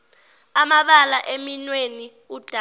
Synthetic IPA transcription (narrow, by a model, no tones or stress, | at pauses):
amaɓalaʔeminweni | ud̥ʱ